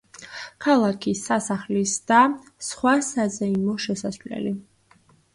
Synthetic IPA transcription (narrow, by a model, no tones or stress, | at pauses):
kʰalˠakʰisasaχlisd̪̥a | sχwasazɛimɔʃɛsasvlɛ̰li